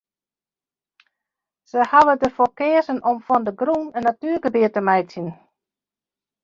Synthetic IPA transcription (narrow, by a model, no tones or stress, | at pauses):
səhaʋədəfokɪəzənɔmfɔndəɡruːnənːatyːrɡəbɪətəmɛjtjən